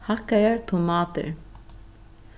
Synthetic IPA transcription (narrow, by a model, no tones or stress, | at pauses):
hakːajaɹt̪ʰʊmɑːt̪ɪ̰ɹ